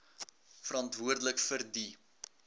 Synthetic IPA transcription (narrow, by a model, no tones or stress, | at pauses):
fəɾɑntvuərdələkfərdi